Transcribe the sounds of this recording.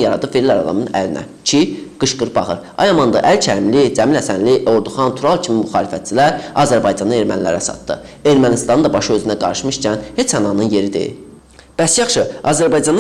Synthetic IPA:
jɑɾɑ̰d̪ɯfeɾilæɾɑ̰d̪ɑ̰mɯnæ̰linʔæ̰ | cʰiɡ̥ɯʃɡɯɾbɑ̰χɯɾɑ̰jɑmɑnd̪ɯʔælcʰæɾimlid͡ʒæmilæsænlio̞ɾd̪uχɑnt̪ʰuɾɑlˠcʰimimuxɑːlifæt̪̚t͡ʃʰilæɾɑzæɾbɑjd͡ʒɑnɯe̞ɾmæ̰nlæ̰ɾæsɑ̰t̪d̪ɯ̰ | e̞ɾmænist̪ɑnd̪ɑbɑʃɯø̞zynæɡɑɾɯʃmɯʃcʰænhe̞t͡ʃʰhænɑnɯnje̞ɾid̪ḭ | b̥æsjɑχʃɯɑzæɾbɑjd͡ʒɑn

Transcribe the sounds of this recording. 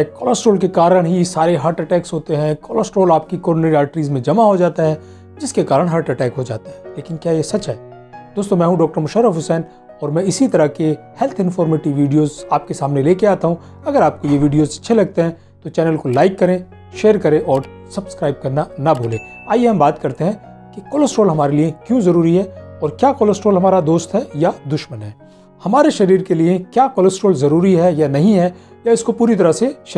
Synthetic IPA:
kɔːlɔːsʈoːlkekaːɾəɽ̃ɦisaːɾeɦaːɾʈɛʈɛːksɦoːt̪eɦɛ̃kɔːlɔːsʈɾoːlaːp̚kikɔːɾɖneiaːʈɾiːzmẽd͡ʒɐmaɦod͡ʒaːt̪aɦɛː | d͡ʒɪskekaːɾəɽ̃ɦaːɾʈɛʈɛːkɦod͡ʒa̰ːt̪aɦɛleːkɪnkjaːjesɐt͡ʃɦɛː | d̪̥oːst̪õmɛ̃ːɦũɖɔːk̚ʈəɾmʊʃəɾəfɦʊsɛːn | ɔːɾmɛ̃ɪsit̪ɐɾəkehɛlt̪ʰɪ̃nfɔːɾmeʈɪʋʋiːɖijoːzaːp̚kesaːmneleːkeaːt̪aɦũ | ɐɡəɾaːp̚kojeʋiːɖijozɐtːʃʰelɐɡ̚t̪eɦɛ̃ | t̪ot͡ʃɛːnəlkolaːɪkːɐɾẽ | ʃeːɾkɐɾẽʔɔːɾ | sɐbskɾaːɪb̚kɐɾnanɐbʱoːlḛ̃ː | aːjeɦɐ̃mbaːt̪kɐɾt̪eɦɛ̃ | kekoːləsʈoːlɦɐmaːɾeliekjõzɐɾuːɾiɦɛɔːɾkjaːkoːləsʈoːlɦɐmaːɾad̪oːst̪ɦɛjad̪ʊʃmənɦɛː | hɐmaːɾeʃɐɾiːɾkeliekjaːkoːləsʈoːlzɐɾuːɾiɦɛjanɐɦĩɦɛ | jaɪskopuːɾit̪ɐɾəseʃ

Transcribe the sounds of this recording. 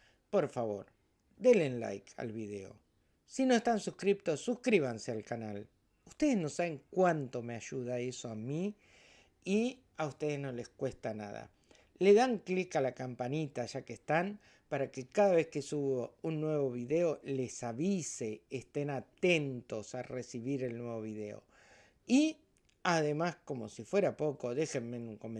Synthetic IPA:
po̞ɾfaβo̞̰ɾ | d̪elenla̰jka̰lβiðe̞̰o̞̰ | sino̞e̞st̪ansukɾip̚t̪o̞sːuskɾiβ̞ansealkanal | ust̪e̞ð̞ezno̞saβe̞ŋkwant̪o̞me̞aʒuð̞aesoami | i | aust̪e̞ð̞ezno̞le̞skwe̞st̪ana̰ða̰ | leðaŋklikalakampanit̪aʒakest̪an | paɾakekaðaβe̞skesuβounːwe̞β̞o̞β̞iðe̞o̞le̞saβise̞ːst̪e̞nat̪ent̪o̞saresiβiɾe̞lnwe̞β̞o̞β̞iðe̞o̞̰ | i | aðe̞masko̞mo̞sifwe̞ɾapo̞ko̞ðe̞xemːenuŋkome

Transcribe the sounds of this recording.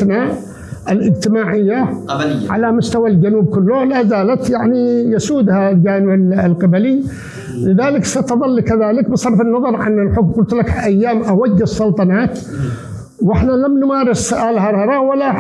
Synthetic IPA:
na | ʔɪlʔɪd͡ʒt̪ɪmaːʕɪjːaʕa̰lamʊst̪awald͡ʒanuːb̚kʊlːʊlazaːlat̪jaʕnijasuːd̪hald͡ʒaːnɪblqɪbali | lɪðaːlɪksat̪ðˤɑlːikaðaːlɪkbɨsˤɑɾˤfɪnːɑðˤɑɾˤʕa̰nɪlħʊkmqʊlt̪lakʔajːaːmʔawaɡːɨsˤːʊlt̪ˤɑnaːt̪ | wɪħnalamnmaːɾɪsʊʔaːlɦɑɾˤɑɾˤɑwalːa

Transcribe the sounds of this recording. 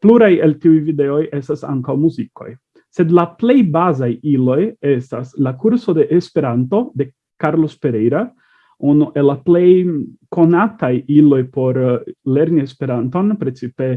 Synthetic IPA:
pluɾajeltiujvide̞o̞je̞stasa̰ŋkawmuziko̞̰j | se̞d̪laple̞jbazajilo̞je̞staslakuɾso̞de̞ʔespe̞ɾanto̞d̪e̞ | kaɾlo̞spe̞ɾejɾa | unuʔelaple̞jko̞natajilo̞jpo̞ɾle̞ɾnie̞spe̞ɾanto̞npɾe̞t͡sipe̞

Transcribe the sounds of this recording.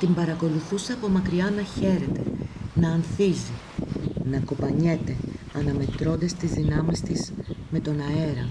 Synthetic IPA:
t̪imbɐɾɐko̞luθuseɐpo̞mɐkɾiɐnɐçe̞ɾe̞t̪e̞nɐːnθizi | nɐkopɐɲe̞t̪e̞ɐnɐme̞t̪ɾo̞nd̪ɐst̪izðinɐmist̪izme̞t̪o̞nɐe̞ɾɐ̰

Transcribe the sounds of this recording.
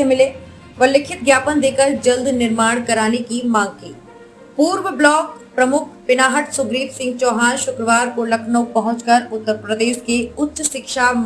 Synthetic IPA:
emɪleː | ʋɐlɪkʰɪt̪̚ɡjaːpənd̪eːkəɾd͡ʒɐld̪ʱnɪɾmaːɽ̃kɐɾaːnekimãːŋɡkiː | puːɾʋəblɔːk | pɾɐmʊkʰpɪnaːɦəʈsʊɡɾiːʈsɪ̃ŋɡ̚t͡ʃɔːɦaːnʃʊkɾəʋaːɾkolɐkʰnopɐɦʊ̃t͡ʃkəɾʊt̪ːəɾpɾəd̪eːʃkeʊtːʃʃɪkʃa

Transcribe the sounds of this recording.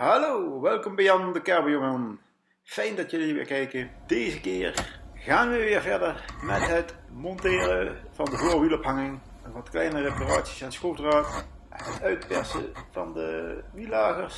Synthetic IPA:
ɦɑlowʋɛlˠkɔmbɛjɑndəkɛɹbəjɔŋən | fɛjndɑtjɵliʋɪ̰lkɛjkəd̥ejzəkɪːɹɣaːnʋəʋɪːɹvɛɹdəɹmɛtɦətmɔntɪːrəv̥ɑndəvoːɹʋilɔpɦɑŋɪŋ | nʋɑtklɛjnərepara̰ːtsi̥sansxoːfdraːt | nɦətœɥtpɛ̰ɹsə̰v̥ɑ̰ndə̰ʋilaːɣəɹs

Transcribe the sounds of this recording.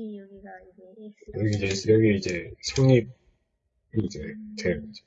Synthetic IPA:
jʌɡiːd͡ʑejʌɡiid͡ʑe̞sʰoɲip̚ | id͡ʑetʰeid͡ʑe

